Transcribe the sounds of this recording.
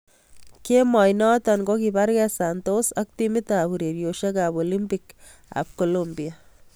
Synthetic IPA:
kemɑːjnɑt̪anɡokibaɾɡɛsant̪osɐk̚t̪imit̪abuɾeɾjoʃɐkaːbolimpik | a̰b̚kolombija

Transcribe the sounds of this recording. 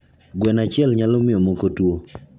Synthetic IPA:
ɡwɛnat͡ʃɪɛlɲalɔmɪjɔmokotwo

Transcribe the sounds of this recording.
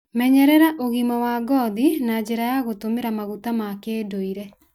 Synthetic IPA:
mɛɲɛɾɛɾaʔoɣimawaɡɔðinad͡ʑeɾajaɣotomeɾamaɣutamakeːdoiɾɛ

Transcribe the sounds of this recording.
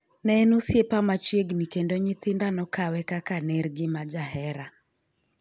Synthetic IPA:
nɛnosjepamat͡ʃeɡnikendoɲɪt̪ɪndanɔkawɛkakanɛɾɡɪmad͡ʒaɦɛɾa

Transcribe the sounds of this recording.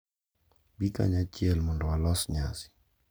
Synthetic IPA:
bika̰ɲat͡ʃɪɛlmɔndɔwalɔsɲasɪ̥

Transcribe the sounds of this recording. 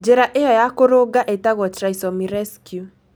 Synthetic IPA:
d͡ʒeɾaʔejɔjakoɾoɡaʔetaɣɔtɾaisɔmiɾɛskju

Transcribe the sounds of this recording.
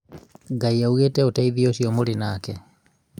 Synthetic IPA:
ɡaiauɣeːtɛotaiðioʃiɔmolinaːkɛ

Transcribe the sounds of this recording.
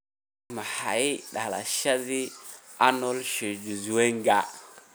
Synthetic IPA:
mahaiɗala̰ʃazi | anolʃed͡ʒuzuweŋɡa

